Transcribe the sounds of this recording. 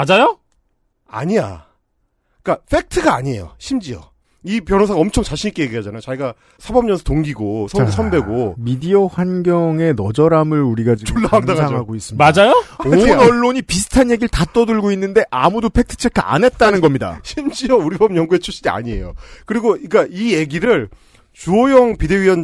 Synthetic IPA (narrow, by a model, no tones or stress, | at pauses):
ad͡ʑajo | a̰ɲija̰ | k͈apʰe̞k̚tʰɯɡaːɲie̞jo̰ɕʰimd͡ʑiʌ̰ | ipjʌnɦosʰaɡaʌmt͡ɕʰoŋt͡ɕaɕʰiɲik͈e̞jeɡiɦad͡ʑanajot͡ɕaiɡa | sʰabʌmɲʌnsʰʌtoŋɡiɡosʰʌɡesʰʌnbe̞ɡomidiʌɸwanɡjʌŋe̞nʌd͡ʑʌɾamɯɾuɾiɡad͡ʑit͡ɕoɭːaaŋdaŋaŋɦaɡois͈ɯmad͡ʑajooʌɭːoɲipisʰɯ̥tʰanje̞ɡiɾɭtat͈ʌdɯɭɡoinːɯnde̞ʔamudopʰe̞k̚tʰɯ̥t͡ɕʰekʰaa̰ne̞t̚t͈anɯnɡʌmɲida̰ɕʰimd͡ʑijʌuɾibʌmɲʌŋɡue̞t͡ɕʰuɕ͈idia̰ɲie̞̰jo̰kɯɾiɡoik͈aije̞ɡiɾɯɭ | t͡ɕuʌjʌŋpideiʌn